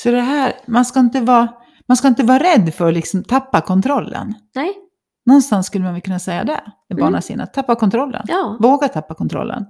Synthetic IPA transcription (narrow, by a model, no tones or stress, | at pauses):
fœɖɛɦæːɾmanskaɪnt̪əvɑː | manskaɪnt̪əvɑːɾɛd̪ːfœɾɔlɪksɔmt̪ʰapːakʰɔnt̪ʰɾɔlːə̰n | nɔnst̪ansːkɵlːəmanvɛlkɵnːasɛjːa̰d̪ɛ̰ | ɛbbɑːɳasḭːnʔa̰t̪ʰapːakʰɔnt̪ʰɾɔlːə̰nvoːɡat̪ʰapːakʰɔnt̪ɾɔ̰lːə̰n